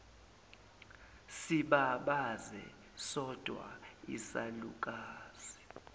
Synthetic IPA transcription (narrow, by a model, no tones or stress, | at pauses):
siɓaɓazɛ̰ | sɔd̥ʱwa̰isaluk̬ʼaːz̥i̥